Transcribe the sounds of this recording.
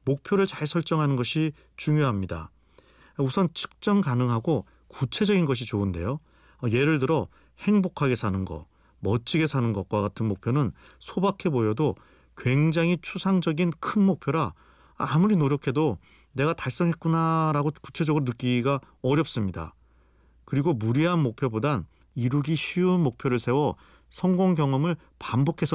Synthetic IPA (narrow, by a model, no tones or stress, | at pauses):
mok̚pʰjoɾɯɭt͡ɕaɭsʰʌɭt͡ɕ͈ʌŋɦanɯnɡʌɕʰi | t͡ɕuŋjoɦamɲida̰ | usʰʌnt͡ɕʰɯ̥k̚t͡ɕ͈ʌŋkanɯŋɦaɡo | kut͡ɕʰe̞d͡ʑʌɡinɡʌɕ̬ʰit͡ɕoɯnde̞̰jo | ʌje̞ɾɯɭtɯɾʌ | he̞ŋbokʰaɡe̞sʰanɯnɡʌ̰ | mʌt͡ɕ͈ʰiɡe̞sʰanɯnɡʌk̚k͈waɡatʰɯnmok̚pʰjonɯn | sʰobakʰe̞bojʌdo | kwe̞ŋd͡ʑaŋɦit͡ɕʰusʰaŋd͡ʑʌɡinkʰɯnmok̚pʰjoɾaː | muɾinoɾjokʰe̞do | ne̞ɡataɭs͈ʌŋɦet̚k͈unaɾaɡoku̥t͡ɕʰe̞d͡ʑʌɡɯɾonɯk͈iɡa | ʌɾjʌp̚s͈ɯmɲida̰ | kɯɾiɡomuɾiɦanmok̚pʰjobodan | iɾuɡiɕʰiunmok̚pʰjoɾɯɭsʰe̞wʌ | sʰʌŋɡoŋɡjʌŋʌmɯɭ | pambokʰe̞sʰʌ